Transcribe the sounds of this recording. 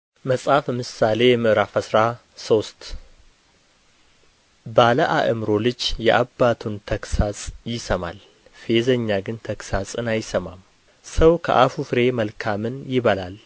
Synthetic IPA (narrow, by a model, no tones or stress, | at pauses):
məsʼafɛmɨsale̞jɛmɨʔɾafəsɾa | so̞st̪ | baləʔaʔɨmɾo̞lɨd͡ʒjɛʔabːat̪ʰunt̪ʰəksasʼjɪsəma̰l | fe̞zəɲːaɡɨnt̪ʰəksasʼɨnajɪsəmam | səwkʰə̰ʔafufɨɾe̞məlkʰamɨnjɪβəlal